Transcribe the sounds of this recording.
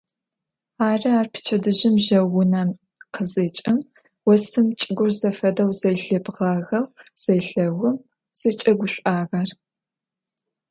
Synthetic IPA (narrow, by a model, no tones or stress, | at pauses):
aːrɨaːrpʰɨ̥t͡ʃʰɐdɨʑɪmʒɐwʊnɐm | qʰəzɨt͡ʃʼɪm | wɔsɨmt͡ʃʼɪɡʷʊrzɐfɐdɐwzɐjɬɨbʁɑɣɐwz̥ɐjɬɐwʊm | z̥ɨt͡ʃʼɐɡʷʊɕʷʼaːɣɐr